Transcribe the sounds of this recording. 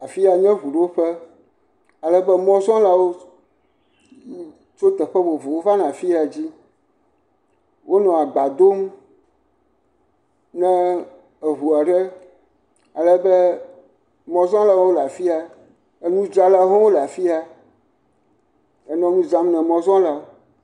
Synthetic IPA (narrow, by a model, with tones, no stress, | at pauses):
a˨fi˦a˨ɲɛ̃˦ɦu˨ɖe˦wo˦ɸɛ˦ | a˨lɛ˦bɛ˦mɔ̃˦zɔ̃˦la˨wo˦ | t͡ʃo˦t̪ɛ˨ɸɛ˦bo˨vo˨wo˦va˦nã˨fi˦a˨d͡ʑi˦ | wʔo˦nɔ̃˨a˨ɡ͡ba˨d̪o˦m | nɛ̃˨ | e˨ɦu˨a˨ɖɛ˦ | a˨lɛ˦bɛ˦ | mɔ̃˨zɔ̃˦la˨w̃wo˦la˨fi˦a˨ | e˦nũ˦d͡ʒa˦la˨˦ɦɔ̃˦wo˦la˨fi˦a˨ | e˨nɔ̃˦nũ˦zã˦mnɛ̃˨mɔ̃˨zɔ̃˦la˨wo˦